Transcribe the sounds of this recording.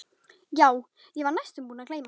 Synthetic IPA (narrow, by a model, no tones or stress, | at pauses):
jaːw | jɛvaɾnajst̪ʏmpuːnakleːjm